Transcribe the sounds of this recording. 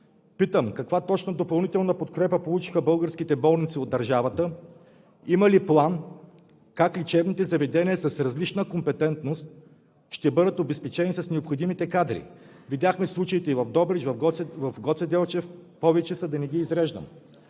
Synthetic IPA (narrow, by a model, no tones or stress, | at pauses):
pit̪əmkɐkvat̪ɔt͡ʃnod̪opɐlˠnit̪ɛlˠnəpot̪kɾɛpəpolˠut͡ʃixəbɤlˠɡəɾskit̪ɛbɔlˠnit̪siod̪ːɐɾʒavət̪ə | imɐliplˠan | kaklit͡ʃɛvnit̪ɛzɐvɛd̪ɛnʲiəsɐsɾɐzlit͡ʃnəkompɛt̪ɛnt̪nost̪̚ | ʃt̪ɛbɤd̪ət̪obɛspɛt͡ʃɛnisɐsnɛopxod̪imit̪ɛkad̪ɾḭ | vid̪ʲjaxmɛslˠut͡ʃəit̪ɛivɐvd̪ɔbɾɛt͡ʃvɐfɡɔvɐfɡɔt̪sɛd̪ɛlˠt͡ʃɛfpɔvɛt͡ʃɛsɐd̪ɐnɛɡʲiːzɾɛʒd̪ə̰m